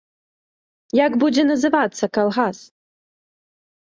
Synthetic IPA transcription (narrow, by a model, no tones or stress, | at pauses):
jaɡbud͡zʲɛnɐzɨvat̪sːɐkalˠɣas